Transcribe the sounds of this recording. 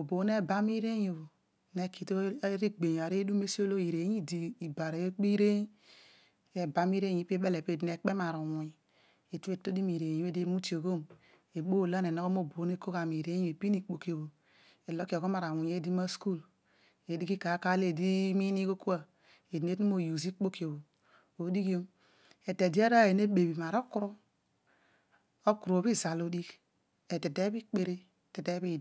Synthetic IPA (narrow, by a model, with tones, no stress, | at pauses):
o˨bo˨ne˦˨ba˦m˦i˦ɾe˦jo˨βo˨ | ne˨ki˨to˦ɾi˦ɡ͡be˨ɲ˨a˨ɾe˦du˦me˦si˦o˦lo˦i˨ɾe˨˦ɲi˦di˨i˨ba˨ɾe˨e˦k͡pi˦ɾe˦ | e˨˦ba˨m˦i˦ɾe˦˨ɲi˦pe˦be˦le˨pe˦˨di˨ne˨k͡pe˦ma˨ɾo˨wi˨ | e˨tu˦e˦to˦di˦mi˨ɾe˨jo˦e˦˨de˦mu˦ti˨o˨ɣo˦m | e˨o˦˨la˦ne˨no˦ɣo˦m˦o˦˨bo˨˦n˦e˦ko˦ɣa˨mi˨ɾe˦i˦e˨pi˦ni˦˨k͡po˨ko˨bo˨ | e˨lo˦ki˦˨o˨ɡo˦ma˨ɾa˨wu˨ɲe˦di˦ma˦sku˦l | e˨di˦ki˦ka˨˦ka˦le˦˨di˦mi˦ni˦ko˦ku˦a˨ | e˨di˨n˦e˦tu˦m˦o˦˨ju˨zi˦k͡po˦ki˨o˨βo˨ | o˨˦di˦ki˦o˦m | e˨te˨di˦a˦ɾa˦˨e˨ne˦be˨bi˨ma˨ɾo˦ku˦ɾo˦ | o˦ku˨ɾo˨βi˦za˨lo˨˦di˦k | e˨te˨te˦bi˦k͡pe˨ɾe˦˨ | te˨de˦βi˦˨